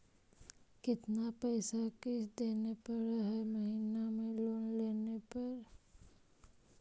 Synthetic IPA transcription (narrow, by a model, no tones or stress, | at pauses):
kɪt̪napɛːsakesd̪eːnepəɾaɦɛməɦiːnamẽloːnleːnepɐɾ